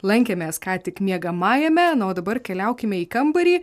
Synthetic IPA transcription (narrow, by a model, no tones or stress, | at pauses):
lˠɐŋʲkʲɛmʲɛːskɑːt̪ʲɪkmʲiɛɡɐmɑːjɛmʲɛnoːd̪ɐbɐrkʲɛlʲɛʊkʲɪmʲɛiːkɐmbɐɾʲiː